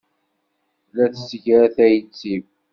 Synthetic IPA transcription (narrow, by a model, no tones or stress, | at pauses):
læθəsəʝɾæθæjət͡sːiv